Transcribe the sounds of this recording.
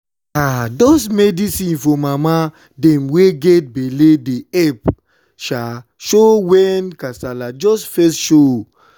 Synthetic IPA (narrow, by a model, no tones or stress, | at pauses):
adɔsmedisĩnfɔmama | dɛmweɡet̚beledeɛp | ʃa | ʃowɛnkasalad͡ʒɔsfɛstʃo